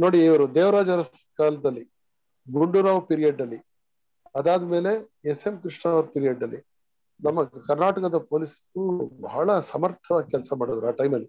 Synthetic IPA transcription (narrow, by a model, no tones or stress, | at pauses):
no̞ːɽiiʋɐɾud̪eːʋɐɾaːd͡ʒɐɾɐs | kaːlɐd̪ɐlːi | ɡuɳɖuɾaːʋpiːɾijeɖːɐlːi | ɐd̪aːd̪ɐme̞ːle̞ese̞mkɾiʂɳaːʋɐɾpiːɾijeɖːɐlːi | nɐmːɐkɐɾnaːʈɐkɐd̪ɐpoːliːsɐ̥ubɐ̰ɦɐɭɐsɐmɐɾt̪ʰɐʋaːɡikʲɛlsɐmaːɽod̪ɐɾaːʈɐjmɐlːi